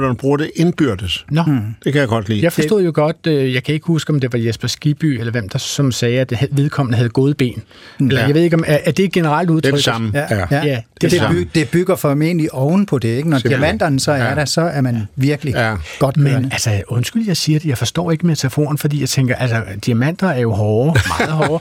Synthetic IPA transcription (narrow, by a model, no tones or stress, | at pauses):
nb̥ʁuːɐd̥e̝ʔe̝nb̥yɐ̰d̥əsnɒ̽d̥e̝kʰæjaɡ̥ɒ̽d̥lḭːjɑ̈ɪfɒsdo̰ð̰ˠjo̝ɡ̥ɒ̽d̥øjɑ̈ɪkʰæe̝ɡ̥əhusɡ̥ɒ̽md̥e̝ʋɑ̈jesb̥ɐsɡ̥ib̥y̰ːelɐʋem̰d̥ɑ̈sɒ̽msɛːæd̥ehʋe̝ð̞ˠkʰɒ̽m̰nəɦæð̞ˠɡ̥o̝ːð̞̩ˠb̥e̝̰ːn | elɐjɑɪʋe̝ð̞̰ˠeɡ̥ɒ̽mæʔæd̥e̝ɡ̥e̝nəʁɑ̈l̰d̥uð̞ˠʰœɡsmjæ̥eded̥e̝b̥yɡ̥ɐfɒmḛnliʔɒʊn̩pʰɒ̽d̥e̝eɡənɒd̥iæmæn̰d̥ɐnəsɒ̽æɐɾ̥æsɒ̽æɐmænʋiɐɡ̥əliɡ̥ɒ̽d̥menælsɐɔ̽nsɡ̥yljɑ̈ɪsiːɐd̥e̝jɑ̈ɪfɒ̽sd̥ɒ̰ːe̝ɡ̥əmet͡sʰæfo̝̰ːn̩fɒd̥ḭjɑ̈ɪt͡sʰeŋɡ̥ɐʔælsɐd̥iæmæn̰d̥ɐæɐjo̝ɦɒːmɑ̈ːð̩ˠɦɒː